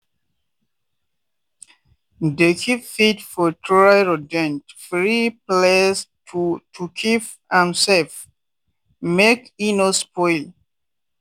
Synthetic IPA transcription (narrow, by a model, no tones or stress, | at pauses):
dekʰiffitfɔtɹajɹodɛ̃ntfɹiplestʰutʰukʰif | ãmsɛf | mekinospɔjl